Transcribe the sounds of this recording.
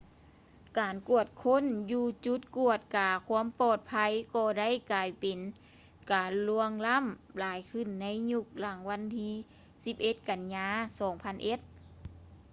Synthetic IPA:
kaː˨nku˧˩ət̪̚kʰo˧˥˨njuː˧t͡ɕu˧˦˥t̪̚ku˧˩ət̪̚kaː˨˩kʰu˧˥əmpɔː˧˩t̪̚pʰa˧˥jkɔː˧˩da˥˨jkaː˨˩jpe˨˩n | kaː˨˩nlu˧əŋla˧˥˨mlaː˨˦jkʰɯ˧˩˨nːa˧˥jɲu˧˩k̚la˨˩˦ŋwa˧˥˨nt̪ʰiː˧˥ | si˧p̚ʔe˧˦t̪̚ka˨˩nɲaː˧˥sɔː˨˩˦ŋpʰa˧˥˨nʔe˧˦t̪̚

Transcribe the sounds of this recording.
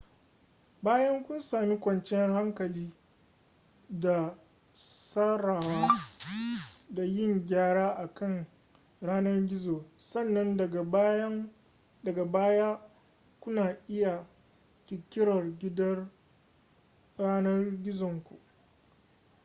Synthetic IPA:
baː˦jɐ˦ŋkʷʊ˦nsaː˨mi˦kʷɐ˨nt͡ʃɛ˦ha˦ŋkɐ˨liː˦ | da˨ | saː˦ɾaː˨waː˦ | da˨jɪ˦˨ŋɡʲaː˦ɽaː˦ʔa˨kɐ˦˨ŋ | ɽaː˦nɐ˦rɡʲɪ˦zoː˨sɐ˦˨nːɐ˦nɐ˨˦ | dɐ˨ɡa˨baː˦jaː˦ | kʷʊ˦naː˨ʔɪ˦ja˨ | kʲɪ˨kʲːɪ˦ɽɐ˨rɡʲɪ˦dɐ˦r | ɾaː˦nɐ˦rɡʲɪ˦zɔ˨ŋkʷṵ˨ʔ

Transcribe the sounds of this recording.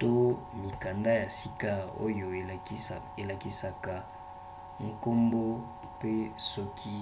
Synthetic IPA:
to˦mi˨ka˨nda˦ja˨si˦ka˦o̰˦jo˨˦ | e˨la˨ki˦sa˨ka˨ | ŋ˦ko˦mbo˦ | pe˦sɔ˦kʰi˦

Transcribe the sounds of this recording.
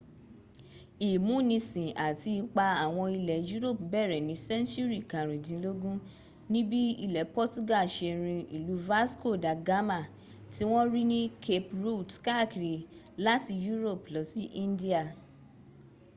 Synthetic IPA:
i˨mũ˨˦˨nĩ˧sĩ˨a˨ti˧k͡pa˧a˨w̃ɔ̃˧i˧lɛ˨ju˦ɾo˦˨pbɛ˦˨ɾɛ˨nĩ˨˦sɛ̃˦ntu˦ɾi˦˨kã˨ɾ̃ĩ˨dĩ˧˦lo˦ɡũ˦ | nĩ˦bi˦i˧lɛ˨˦pɔ˦tu˦ɡa˦˨ʃe˧ɾ̃ĩ˧i˨lu˨˦va˦sko˦˨da˨ɡa˦ma˦˨ | ti˦w̃ɔ̃˦ɾi˦nĩ˦kʰe˧pɾu˦˨dka˦˨ki˨ɾi˨ | la˦ti˧ju˦ɾo˦˨plɔ˨˧˦si˦ʔĩ˦ndi˦a˨

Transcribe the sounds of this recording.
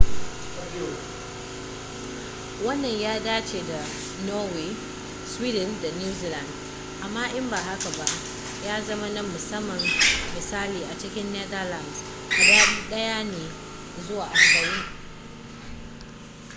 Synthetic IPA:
wɐ˦nːɐ˨ɲjaː˦daː˦t͡ʃeː˨da˨ | nɔː˦weː˨ | swiː˦dɪ˨nda˨njuː˦ziː˦la˨nd | ʔa˨mːaː˦ʔɪ˦mbaː˨ha˦ka˨ba˦ʔ | jaː˦zɐ˦ma˦nɐ˦mːʊ˨sɐ˦mːɐ˨mːɪ˨saː˦liː˨ʔa˨t͡ʃɪ˦kʲɪ˦nːɛ˦da˦la˨ns | ʔa˨da˦ɗɐ˦jaː˦neː˨ | zʊ˦waː˨ʔa˨mbɐ˨jiː˦

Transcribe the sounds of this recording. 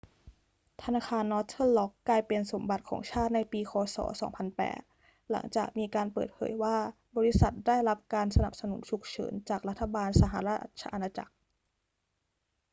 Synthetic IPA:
t̪ʰa˧naː˧xʰaː˧nːɔ˦˥t̪ʰɤ˥˩llɔ˦˥kːlaː˧jpe˧nso˩˦mba˨˩t̪̚kʰɔ̰ː˩˦ŋt͡ɕʰaː˥˩t̪̚na˧jpiː˧kʰɔː˧sɔ̰ː˩˦sɔ̰ː˩˦ŋpʰa˧npɛ̰ː˨˩t̪̚ | la̰˩˦ŋt͡ɕa̰ː˨˩k̚miː˧kaː˧npɤ̰ː˨˩t̪̚pʰɤ̰ː˩˦jwaː˥˩ | bɔː˧ɾi˦˥sa˨˩t̪̚da˥˩jɾa˦˥p̚kaː˧nsa˧na˨˩p̚sa˧nṵ˩˦nt͡ɕʰu˨˩k̚t͡ɕʰɤ̰ː˩˦nt͡ɕaː˨˩k̚ɾa˦˥t̪ʰːa˧baː˧nsa˧ɦa˨˧˦ɾa˦˥a̰˧˩t̪̚t͡ɕʰa̰˧ʔa˧naː˧t͡ɕa̰˨˩k̚

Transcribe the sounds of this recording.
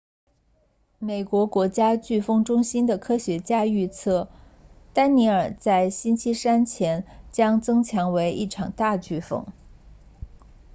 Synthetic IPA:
me˨˩ɪkwɔ˧˥kwɔ˧˥t͡ɕja˥t͡ɕy˥˩fɤ˥ŋʈ͡ʂʊ˥ŋɕi˥nd̪ə˨kʰɤ˥ɕɥɛ˧˥t͡ɕja˥y˥˧t͡sʰɤ˥˩ | t̪a˥nni˧˥ə˞˨˩t͡sa˥˩ɪɕi˥nt͡ɕʰi˥sa˥nt͡ɕʰjɛ˧˥nt͡ɕjɑ˥ŋt͡sɤ˥ŋt͡ɕʰjɑ˧˥ŋwe˧˥ɪʔi˥˩ʈ͡ʂʰɑ˨˩ŋt̪a˥˧t͡ɕy˥˩fɤ̰˥˩ŋ

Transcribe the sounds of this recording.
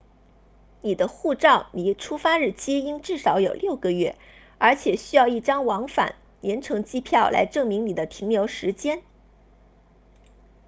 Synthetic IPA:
ni˨˩d̪ə˦xu˥˧ʈ͡ʂɑ˥˩ʊni˨˩˥ʈ͡ʂʰu˥fa˥ɻɻ̩˥˩t͡ɕʰi˥i˥ŋʈ͡ʂɻ̩˥˩ʂɑ˧˥ʊjo˨˩ʊljo˥˩ʊɡə˨ɥɛ˥˩ | ə˞˧˥t͡ɕʰjɛ˨˩ɕy˥jɑ˥˧ʊi˥˩ʈ͡ʂɑ˥ŋwɑ˧˥ŋfa̰˨˩˦n | ljɛ˧˥nʈ͡ʂʰɤ˧˥ŋt͡ɕi˥˧pʰjɑ˥˩ʊlʔa̰˧˥ɪʈ͡ʂɤ˥˩ŋmi˧˥ŋni˨˩d̪ə˦t̪ʰi˧˥ŋljo˧˥ʊʂɻ̩˧˥t͡ɕjɛ˥n

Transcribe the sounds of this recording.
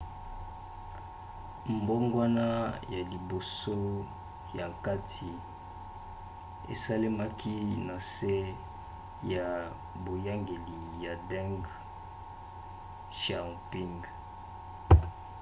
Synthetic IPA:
mbo˦ŋɡwa˦na˦ja˨li˨bo˨so˦ | ja˨ka˦tʰi˨ | ḛ˨sa˦le˦ma˦kʰi˦na˨se˦ | ja˨ | bo˨ja˦ŋɡe˨li˨ja˨dɛ˦ŋɡ | ʃa˨pi˦ŋɡ

